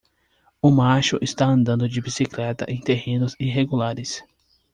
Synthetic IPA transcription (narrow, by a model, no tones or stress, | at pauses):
ʊmaʃʊʔɪst̪aɐ̃nd̪ɐ̃nd̪ʊd͡ʒɪbisiklɛt̪ɐ̰ʔẽj̃t̪eɦẽnʊziɦeɡulaɾɪs